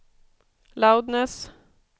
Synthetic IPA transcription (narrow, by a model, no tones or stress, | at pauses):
laʊd̪nəs